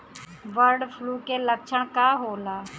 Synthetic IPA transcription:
ʋəɾɖfluːkeːləkt͡ʃʰəɽ̃kaːɦoːlaː

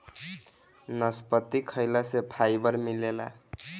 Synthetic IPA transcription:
nʌspət̪ːikʰəjlasepʰajbʌɾmilela̰

